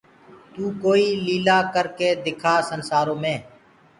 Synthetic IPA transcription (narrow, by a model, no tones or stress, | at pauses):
t̪uːkoːiːliːlaːkəɾkeːd̪ɪkʰaːsənsaːɾõːmẽː